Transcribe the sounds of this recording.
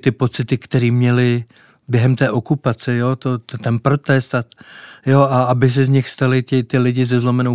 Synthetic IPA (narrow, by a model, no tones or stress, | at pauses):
t̪ɪpo̞t͡sɪt̪ɪkt̪ɛɾiːmɲɛlɪ | bjɛɦɛmt̪ɛːʔo̞kupat͡sɛjo̞ːt̪ot̪t̪ɛnpɾo̞t̪ɛst̪at̪joʔaabɪs̬ɛzɲɪxst̪alɪcɪt̪ɪlɪɟɪzɛzlomɛnow